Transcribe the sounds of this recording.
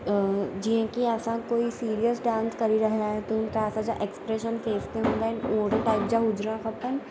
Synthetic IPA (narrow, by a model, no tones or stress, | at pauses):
d͡ʒiɦẽkiɛːsãkoːisiːɾijəsɖãːnskɐɾiɾɐɦaɦɛt̪ʊmt̪ɾaːsad͡ʒaʔekspɾeːʃənkeːst̪ẽɦõːɡ̪aɪnoːʈʈaːɪpd͡ʒaɦʊd͡ʒɾãkɐpən